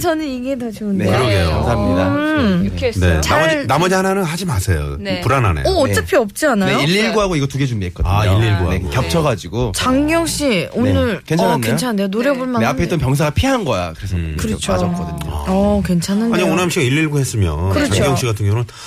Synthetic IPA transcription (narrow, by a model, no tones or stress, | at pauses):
t͡ɕʰʌnɯniɡetad͡ʑonneɯɾoɡejo̰msʰamɲida | net͡ɕainamʌd͡ʑiɦananɯnhad͡ʑimasʰejo̰nepuɾana̰nḛʌːt͡ɕ͈apʰiʌp̚t͡ɕ͈iananejoiʎːiɭɡuɦaɡoiɡʌtuɡe̞d͡ʑumiet̚k͈ʌdaiʎːiɭɡuaːekjʌp̚t͡ɕʰʌɡad͡ʑiɡot͡ɕaŋɡjʌŋɕ͈ionnɯɭkwenʰannejnot͡ɕʰaeonoɾjʌboɭmaneapʰeit͈ʌnpjʌŋsʰaɡapʰiɦanɡʌja̰kɯɾesʰʌkɯɾʌt͡ɕʰad͡ʑʌk͈ʌdɯɲo̰ʌkwe̞nt͡ɕʰananaɲionɯɦamɕʰiɡaiʎːiɭɡuhes͈ɯmjʌ̰nkɯɾʌt͡ɕaŋɡjʌŋɕ͈iɡatʰɯŋoŋɾɯn